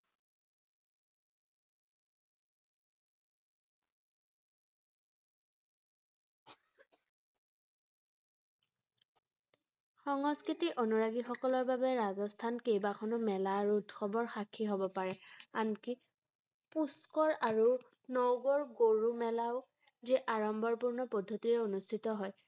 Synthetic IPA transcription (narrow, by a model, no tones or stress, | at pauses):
xɔŋɔskɹitiʔonuɹaɡixɔkɔlɔɹbabɛɹazɔstʰankejbakʰɔnɔmɛlaɹudxɔbɔɹxakʰiɦobɔpaɹɛanki | puskɔɹaɹu | nɔwɡɔɹɡoɹumɛlaʊ | ziʔaɹɔmbɔɹpuɹnɔpɔdʱːotiɹɛonustʰitɔɦɔj